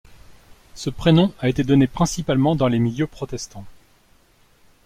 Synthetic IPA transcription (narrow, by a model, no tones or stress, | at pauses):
səpχenɔ̃aet̪ed̪ɔnepχɛ̃sipalmɑ̃d̪ɑ̃lemiljøpχɔt̪ɛst̪ɑ̃